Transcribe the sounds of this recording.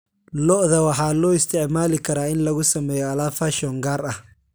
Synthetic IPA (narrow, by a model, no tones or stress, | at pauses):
lɔʔðɐwɑħɑːlɔːɪst̪ʰɛʕmaːlɪkʰɐɾaːɪnlɐɣʊsɐmɛːjɔɐlaːfaːʃɔːŋɡaːɾɐh